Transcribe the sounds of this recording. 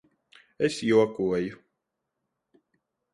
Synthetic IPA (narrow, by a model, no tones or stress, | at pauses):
esjuɔkuɔju